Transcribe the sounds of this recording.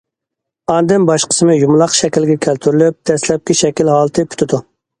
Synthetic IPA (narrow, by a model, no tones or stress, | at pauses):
ɑnd̪ɪnbɑʃqə̥sɨmɨjumlˠɑqʃɛkʲilɡʲɛkʲʰælt̪ʰyɾylyp̚d̪̥ɛslɛp̚kʲiʃɛkʲilhɑːlˠɨt̪ʰɨpʰy̥t̪ʰud̪u